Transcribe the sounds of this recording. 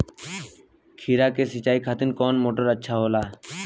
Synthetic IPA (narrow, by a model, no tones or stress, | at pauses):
kʰiːɾaːkeːsɪt͡ʃaːiːkʰaːt̪ɪnkoːnmoːʈəɾətːʃʰaːɦoːlaː